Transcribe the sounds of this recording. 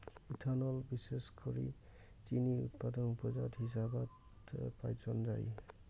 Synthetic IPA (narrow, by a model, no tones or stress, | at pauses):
itʰanɔlbiseskʰoɹḭ | t͡ʃiniṵt̚padɔnupɔzadhisabat | pajzɔndaɹḭ